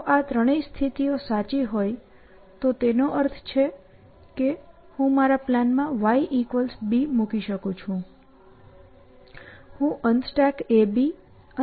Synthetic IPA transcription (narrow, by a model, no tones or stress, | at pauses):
ʔat̪ɾəɽ̃eist̪ʰit̪iosat͡ʃiɦoj | t̪ot̪enoʔəɾt̪ʰt͡ʃʰe | ke | hũmaɾaplanmãʋaiʔikʋəlsbimukiʃəkũt͡ʃʰũ | hũʔənd̪sʈakebi | ə